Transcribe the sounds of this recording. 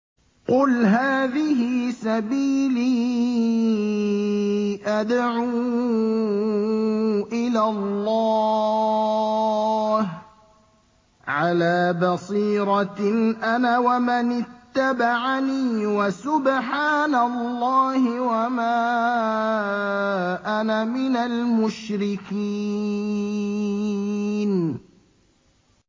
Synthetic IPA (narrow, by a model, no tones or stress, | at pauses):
qʊlɦaːðɪhɪsabiːliː | ʔad̪ʕuː | ʔɪlalːɑː | h | ʕalaːbɑsˤiːɾɑʔanawamanɪt̪ːabaʕaniːwasʊbħaːnalːɑːhɪwamaː | ʔanamɪnalmʊʃɾɪkiː | n